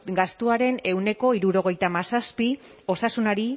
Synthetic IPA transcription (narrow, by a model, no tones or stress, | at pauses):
ɡast̪uaɾe̞ne̞wne̞ko̞iɾuɾo̞ɣ̞e̞jt̪amasaspi | o̞sasunaɾi